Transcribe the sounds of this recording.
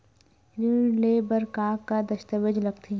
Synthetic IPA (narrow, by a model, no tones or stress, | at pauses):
ɾileːbəɾkaːkːad̪ɐʃt̪əʋəd͡ʒlɐɡt̪ʰi